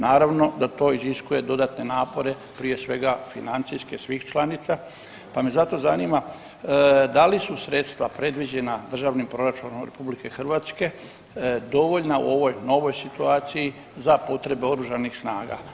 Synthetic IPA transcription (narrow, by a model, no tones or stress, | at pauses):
naːɾaʋno̞d̪at̪o̞ːiziskuje̞d̪o̞d̪at̪ne̞naːpo̞ɾe̞ | pɾije̞sʋe̞ɡafinant̪siskesʋixt͡ʃlˠanit̪sa | pamezat̪o̞zaniːma | d̪alisusɾe̞t̪st̪ʋapɾe̞d̪ʋid͡ʑe̞nad̪r̩ʒaʋnimpɾo̞ɾat͡ʃunomɾe̞̰publike̞xr̩ʋaːt̪ske̞ | d̪o̞ʋo̞ʎnaṵo̞ʋo̞jno̞ʋo̞jsit̪uaːt̪siji | zapo̞t̪ɾe̞be̞o̞ɾuʒanixsnaːɡa̰